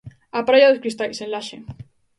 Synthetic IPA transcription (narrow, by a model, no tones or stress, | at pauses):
apɾaʝaðoskɾist̪ajsenlaʃe